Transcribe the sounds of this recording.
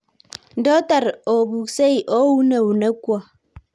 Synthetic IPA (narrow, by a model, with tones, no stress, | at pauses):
n̩˨dɔ˦ta˨ɾo˨bu˨kse˦i˨ʔo˦wu˦ne˨wu˨ne˦kwa˨